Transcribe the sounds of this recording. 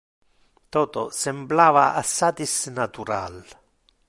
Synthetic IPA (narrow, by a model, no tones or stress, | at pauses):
t̪ɔːt̪ɔ̰sɛmblaːva̰ʔa̰sːat̪isnat̪uɾa̰l